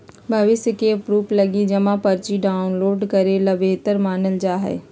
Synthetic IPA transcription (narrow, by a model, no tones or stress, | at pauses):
bʱɐʋɪsjəkeːpɾuːplɐɡid͡ʒɐmãpɐɾt͡ʃiɖaːʊnloːɖkɐɾelɐbeːt̪əɾmaːnəld͡ʒaːɦɛ̰ː